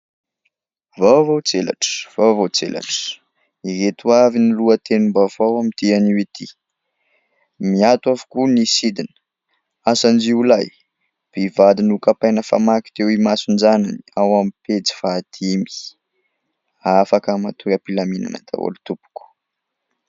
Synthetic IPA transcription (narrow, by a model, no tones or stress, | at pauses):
vawvowt͡sela̰ʈ͡ʂə̥v̥awvowt͡sḛla̰ʈ͡ʂə̥ | iɾet̪uaviniluət̪enumbavawamit̪ianiwit̪ʰi | miat̪wavu̥kunisid̪inə̥ | asand͡ʒiulaj | b̥ivad̪inukapajnəfa̰maki̥t̪ewimasund͡ʒananiawamipet͡si̥fat̪imi̥ | afakamat̪uɾəpilamina̰na̰t̪ʰa̰wo̰lut̪upu̥ku̥